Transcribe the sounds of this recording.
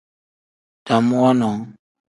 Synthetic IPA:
ta˨m˦a˦nɔ˨ŋ

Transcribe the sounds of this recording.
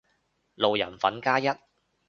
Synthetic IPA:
lo˨wjɐ̰˨˩nfɐ˨˥nkaː˥jɐ˥t̚

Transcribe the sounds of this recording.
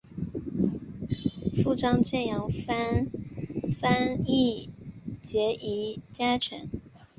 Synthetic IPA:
fu˥˩ʈ͡ʂɑ˥ŋt͡ɕʰjɛ˥˩njɑ˧˥ŋfa˥n | fa˥ni˥˩ | t͡ɕjɛ˧˥ʔi˧˥t͡ɕja˥ʈ͡ʂʰə̰˧˥ŋ

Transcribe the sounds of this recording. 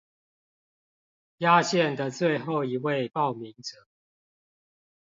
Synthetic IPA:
ja˦ɕjɛ˥˨nd̪ə˨t͡swe˥˨ɪxo˥˨ʊi˨˦we˥˨ɪpɑ˥˨ʊmi˨˦ŋʈ͡ʂə˨˩˦

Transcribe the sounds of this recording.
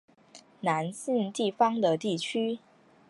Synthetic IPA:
na˧˦˥nsi˥˧nt̪i˥˩fɑ˥ŋd̪ə˨t̪i˥˩t͡ɕʰy˥

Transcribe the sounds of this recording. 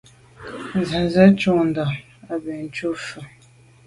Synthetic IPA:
za˨zə˦t͡ʃu˦n̩˨da˨ | a˨bɛ˨n̩˨˦t͡ʃu˦fə˨

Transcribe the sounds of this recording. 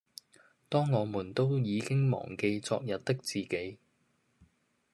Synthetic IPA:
t̪ɔː˥ŋːɔː˨˧muː˨˩nt̪o˥wjiː˨˧kɪ˥ŋmɔ̰ː˨˩ŋke˧jt͡sɔ̰ː˧k̚jɐ˨t̚t̪ɪ˥k̚t͡siː˨˩ke˨˥j

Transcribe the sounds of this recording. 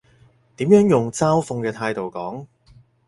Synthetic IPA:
t̪iː˨˥mjœː˨˥ŋjʊ˨˩ŋt͡saː˥wfʊ˧ŋkɛː˧t̪ʰaː˧jt̪o˨wkɔː˨˥ŋ

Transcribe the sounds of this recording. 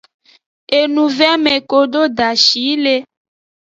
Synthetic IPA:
e˨nũ˨vɛ˦mẽ˨ko˨ɖo˦ɖa˨ʃi˨˦le˦

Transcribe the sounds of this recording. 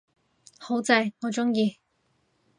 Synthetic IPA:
ho˨˥wt͡sɐ˧jŋɔː˨˧t͡ʃʊ˥ŋjiː˧

